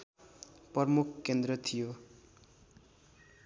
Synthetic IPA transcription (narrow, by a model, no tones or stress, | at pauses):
prʌrmukʰkːend̪rʌt̪ʰijo